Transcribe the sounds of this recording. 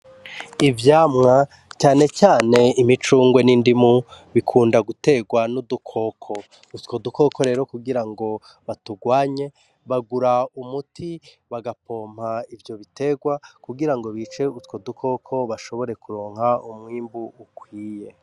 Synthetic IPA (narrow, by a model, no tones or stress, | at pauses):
ivjaːmŋa | t͡ʃaːne̞t͡ʃaːne̞imit͡ʃuːŋɡwe̞nindimuβikʰuːndaɡute̞ɡwanudukʰo̞kʰo̞ | utkoduko̞ko̞ɾe̞ːɾo̞kuɡiɾaŋɡo̞ | βatuɡwaːɲe̞ | βaɡuɾaumutʰi | βaɡapʰo̞ːm̥haivjo̞βite̞ɡwakuɡiɾaŋɡo̞βit͡ʃe̞utko̞dukʰo̞kʰo̞βaʃo̞βo̞ɾe̞kuɾo̞ːŋ̥ɦaumŋiːmbuːkwiːje̞